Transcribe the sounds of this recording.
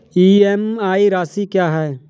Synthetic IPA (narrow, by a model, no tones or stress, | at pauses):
iːɛmaːiɾaːsikjaːɦɛː